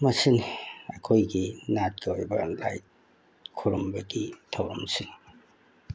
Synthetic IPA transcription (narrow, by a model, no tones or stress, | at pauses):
mɐsinɐkʰojɡinat̚ɡɐojbɐ̰la̰jt̚ | kʰuɾumbɐɡitʰawɾɐ̰msin